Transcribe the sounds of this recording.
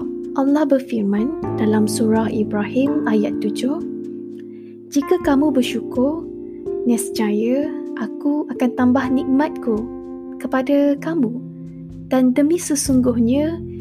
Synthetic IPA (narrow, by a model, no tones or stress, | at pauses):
ʔalːɑhbərfirmãndalamsuɾahibɾahimajat̪ːud͡ʒʊh | d͡ʒikakamũbərʃukʊr | nãsə̥t͡ʃajəʔakuakant̪ambahnik̚mãt̪̚ku | kəpadakamũ | d̥andəmĩsəsuŋɡʊhɲə̃